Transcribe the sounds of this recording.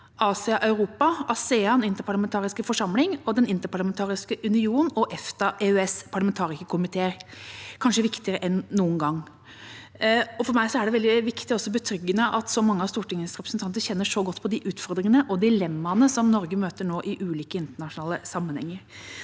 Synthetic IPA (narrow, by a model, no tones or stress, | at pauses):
ʔɑːsɪɑʔɑʉɾuːpɑʔɑsɛːɑnɪnt̪əɾpʰɑɭɑmɛnt̪ʰɑːɾɪskəfɔʂɑmlɪŋɔd̪ɛnɪnt̪əɾpʰɑɭɑmɛnt̪ʰɑːɾɪskəʔʉnɪuːnɔʔɛft̪ɑʔeœɛspʰɑɭɑmɛnt̪ʰɑːɾɪsəkʰʊmɪt̪ʰeːɾkʰɑnʂəʋɪkt̪ɪəɾəʔɛnːuːənɡɑŋː | ɔfɔɾmæɪsɔæɖɛʋɛld̪ɪʋɪkt̪ɪɔsːɔbət̪ʰɾʏɡːənəʔɑt̪sɔmɑŋːəɑʋst̪uːʈɪŋːəsɾɛpɾəsn̩t̪ʰɑnt̪əçɛnːəʂɔɡɔt̪ːpʰɔd̪ɪʔʉːt̪fɔɾd̪ɾɪŋənəʔɔd̪ɪlɛmːɑnəsɔmnɔɾɡəmøːt̪əɳoːʔɪʔʉːliːkəɪnt̪əɳɑʂʊnɑːləsɑmːənhɛ̰ŋːəɾ